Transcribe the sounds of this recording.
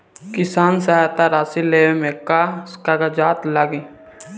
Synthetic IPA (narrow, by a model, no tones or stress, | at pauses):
kɪsaːns̬aat̪aɾaːsileːemekaskaɡad͡ʒaːt̪laɡi